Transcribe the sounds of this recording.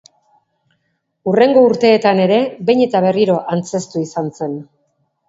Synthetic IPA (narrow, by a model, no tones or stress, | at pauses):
ure̞ŋɡo̞uɾt̪e̞ːt̪ane̞ɾe̞be̞jɲe̞t̪aβ̞e̞riɾo̞ʔant͡se̞st̪uisanse̞n